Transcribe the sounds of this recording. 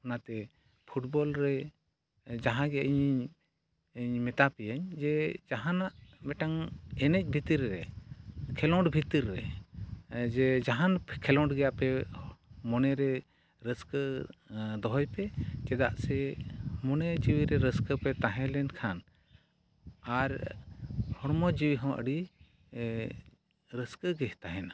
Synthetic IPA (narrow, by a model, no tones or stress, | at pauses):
nat̪ɛ | pʰuʈbɔlɾɛ | d͡ʒaɦãɡɛʔəɲ | ɲmɛt̪apɛjaɲd͡ʒɛd͡ʒaɦanaʔmɛʈaŋɛnɛc̚bʱit̪iɾːɛ | kʰɛlɔɳɖbʱit̪iɾːɛ | d͡ʒɛd͡ʒaɦankʰɛlɔ̃ɳɖɡɛjaʔpɛ | mɔnɛɾɛ | ɾəskə | d̪ɔɦɔjpɛkɛd̪a̰ʔsɛmɔnɛd͡ʒiwiɾɛɾəskəpɛt̪aɦɛ̃lɛnkʰan | aɾ | hɔɽmɔd͡ʒiwiɦɔ̃ʔə̰ɽi | ɾəskəɡɛht̪aɦɛna